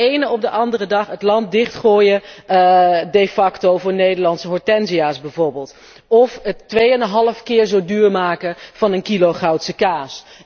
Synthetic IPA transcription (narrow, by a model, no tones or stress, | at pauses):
ejnəɔb̚dəʔɑndərədɑχətlɑnt̚dɪχtχoːjə | dejfɑktowvʊːɹnejdəlɑntsəɦɔɹtɛnziaːsbɛjvʊɹbɪːlˠt | ɔfətːʋejənəɦɑləfkɪːɹzowdyːɹmaːkəv̥ɑnənkiloχɑwtsəkaːs